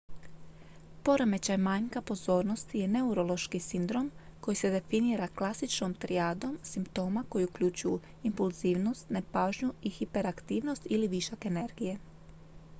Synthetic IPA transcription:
po̞ɾome̞t͡ɕajmaːɲkapo̞zo̞ːɾno̞st̪ije̞ne̞uɾo̞lˠo̞ʃkisind̪ɾo̞mko̞jise̞d̪e̞finiːɾaklˠasit͡ʃnomt̪ɾiaːd̪o̞msimpt̪o̞ːmako̞jiukʎut͡ɕuju | impulˠziːʋno̞st̪ne̞paːʒɲuixipe̞ɾakt̪iːʋno̞st̪iliʋiʃake̞ne̞ɾɡije̞

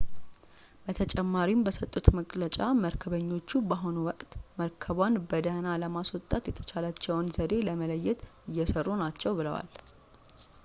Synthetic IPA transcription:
b̥ət̪ʰət͡ʃʼɛmːaɾimbəsət̪ʼːut̪məkʼlət͡ʃʼaməɾkʰəβəɲːo̞t͡ʃːubaɦonuwɔkʼt̪məɾkʰəβanbəd̪analəmaswɔt̪ʼːat̪jɛt̪ʰə̥t͡ʃʰalat͡ʃːɛwnzəd̪e̞ləmələjːɛt̪ɨjːɛsərːunat͡ʃːɛwbɨləwa̰l

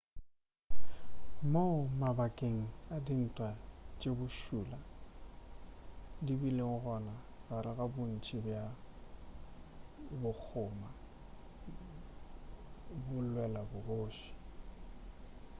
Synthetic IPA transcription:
maʊmabakʼeŋ̩adin̩tʼwat͡ʃʼebʊʃuːla | dibileŋʊɣɔna | baɾɪɣabʊn̩t͡ʃʼɪbja | bʊk͡xʰʊːma | bʊlwɛlabʊboːʃi̥

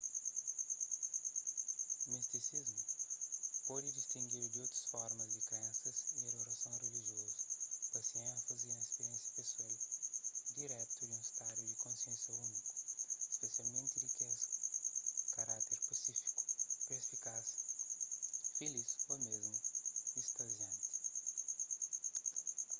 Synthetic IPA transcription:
mist̪isizmʊ | pɔd̪ɪd͡ʒist̪ĩŋɡiɾd̪ɪowt̪ɾɐsfɔɾmɐzd̪ɪkɾẽsɐzieɾɾosɐ̃w̃reliʒiɔzɐpɐsiẽsɐzɪẽsiẽspesɛikd̪iɾɛt̪ʊiũst̪ad̪ʊd̪ɪkõsiẽsɐũnikʊ̥spesialmẽnt̪ɪkɛs | kaɾat̪eɾpasikfi̥kʊpespikasʊfelisomezmʊist̪ɐʒɐ̃nt̪

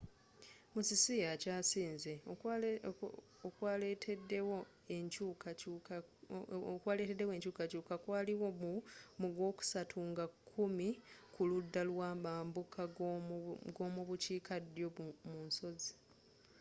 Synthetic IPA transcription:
musisijacaːsiːnze̞ | okwaːletʰedːewo | eɲcuːku | kwaːle̞ːte̞dːe̞we̞ːɲcuːkacuːkakwaːliwo̞mumuɡwo̞ːku̥satʰuŋɡakʰːumikʰuludːalwaːmaːmbukʰa | ɡo̞ːmuβuciːkʰadjo̞munso̞zi̥

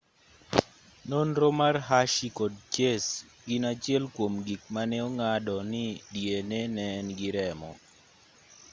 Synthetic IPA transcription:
nonɾomarɦaʃikod̚t͡ʃes | ɡɪnat͡ʃjɛlkwomɡik̚manɛoŋadɔnɪdjenɛnɛnɡɪɾɛmɔ̰

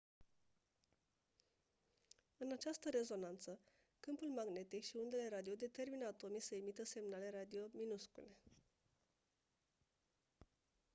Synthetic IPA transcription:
ɨnat͡ʃast̪əɾe̞zo̞nant̪sə | kɨmpulmaɡne̞t̪ikʃiund̪e̞le̞ɾad̪iod̪e̞t̪e̞rminəat̪o̞misəemit̪əse̞mnale̞ɾad̪io̞minuskṵle̞

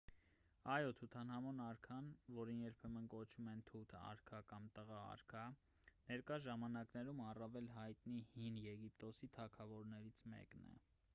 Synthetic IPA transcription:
ɑjɔt̪ʰut̪ʰɑnhɑmɔnɑɾkʰɑnvɔɾinjɛɾpʰɛmənkɔt͡ʃʰumɛnt̪ʰut̪ʰɑ̰ɾkʰɑkɑmt̪əʁɑɑ̰ɾkʰɑ | nɛɾkɑʒɑmɑnɑknɛɾumɑrɑvɛlɦɑjt̪nihinjɛɡip̚t̪ɔsit̪ʰɑkʰɑvɔɾnɛɾit͡sʰmɛ̰knɛ̰

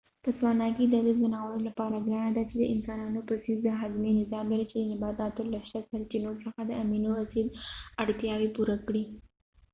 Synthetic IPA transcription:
p̪əswɑnɑkid̪əɾizd̪ənaɣəlolapɑɾaɡɑnad̪at͡ʃed̪əɪmsɑnɑnopəsizd̪əɦazmenɪzɑmlaɾit͡ʃed̪ənɪbɑd̪ɑt̪olaʃasaɾat͡ʃenoɾsəxad̪əaminowasilaɽt̪jɑwepuɾakɽi

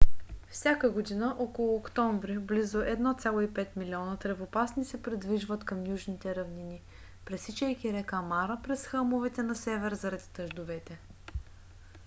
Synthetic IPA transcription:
fsʲjakəɡod̪inəʔɔkolˠʊːkt̪ɔɱvɾiblizʊʔɛd̪nɔt̪sʲalˠoipɛt̪milʲiɔnət̪ɾɛvopasnisɛpɾid̪viʒvət̪kɐmjuʒnit̪ɛɾɐvnini | pɾɛsit͡ʃɛjk̟ʲiɾɛkamaɾəpɾɛsxɤmʊvɛt̪ɛnɐsɛvɛɾzɐɾɐd̪i̥t̪əʒd̪ovɛt̪ɛ

